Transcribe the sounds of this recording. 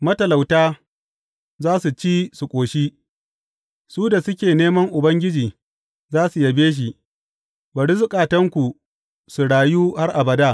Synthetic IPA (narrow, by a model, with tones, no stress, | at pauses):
mɐ˦tɐ˨la˨wtaː˦ | zaː˦su˨t͡ʃiː˦su˨kʷʼoː˨ʃi˦ | suː˦da˨sʊ˦kʲeː˨neː˦mɐ˦ŋʔʊ˨bɐ˦ŋɡʲɪ˦d͡ʒiː˨ | zaː˦su˨jɐ˨beː˦ʃ̬i˨ | bɐ˨ɽɪ˦zʊ˦kʼaː˨tɐ˦ŋkʷu˨ | su˨ɽaː˨juː˦ha˦rʔa˨bɐ˨daː˦